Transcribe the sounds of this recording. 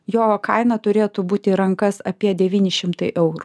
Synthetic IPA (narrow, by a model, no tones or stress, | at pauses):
joːkɐɪnɐt̪ʊɾʲeːt̪ʊbuːt̪ʲɪɾɐŋkɐsɐpʲiɛd̪ʲɛʋʲiːnʲɪʃʲɪmt̪ɐɪʔɛʊɾu